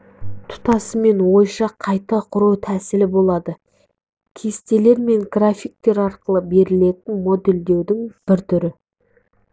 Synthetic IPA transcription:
t̪ʰʊ̥t̪ɑsəme̞nwo̞jʃɑqʰɑjt̪ɑqʰʊɾuwt̪ʰæsɪlɪbo̞lˠɑd̪ə | kʲʰe̞st̪e̞le̞ɾme̞ŋɡrafʲijk̚t̪e̞ɾɑɾqəlˠəbe̞ɾɪle̞t̪ɪnmo̞d̪e̞ld̪e̞wd̪ɪŋb̥ɪɾt̪ʰʏɾɪ

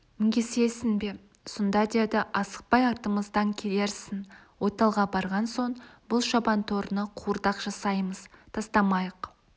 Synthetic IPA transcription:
mɪŋɡʲese̞sɪŋbe̞ | sond̪ɑd̪e̞d̪ɪʔɑsə̥q̚pɑjɑɾt̪əməzd̪ɑŋkʲʰe̞le̞ɾsɪnwo̞t̪ɑlˠʁɑbɑɾʁɑnso̞ɴbʊlˠʃɑbɑnt̪ʰoɾnəqʰuəɾd̪ɑqʒ̥ɑsɑjməzt̪ʰɑst̪ɑmɑjəq

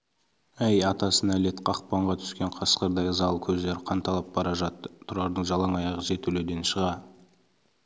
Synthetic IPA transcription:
æjɑt̪ɑsənæle̞t̪qʰɑqpɑɴʁɑt̪ʰʏ̥skʲe̞ɴqʰɑsqəɾd̪ɑjəzɑlˠəkʲʰɵzd̪e̞ɾɪqʰɑnt̪ʰɑlˠɑp̚bɑɾɑʒɑt̪ːət̪ʰːʊɾɑɾd̪əɴʒɑlˠɑŋɑjɑʁəʒe̞t̪ʰɵled̪e̞nʃəʁɑ

